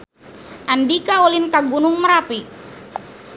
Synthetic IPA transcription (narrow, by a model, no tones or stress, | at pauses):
ʔandikaolinkaɡunʊŋməɾapi